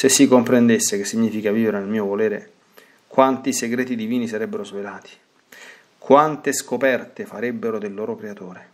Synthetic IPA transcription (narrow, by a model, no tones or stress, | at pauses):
sesːikːompɾend̪esːekesːiɲːiːfikaviːveɾenelmiːovolɛːɾe | kwant̪iseɡɾɛːt̪id̪iviːnisaɾɛbːeɾozvelaːt̪i̥ | kwant̪eskopɛrt̪efaɾɛbːeɾod̪elːoːɾokɾeat̪oːɾe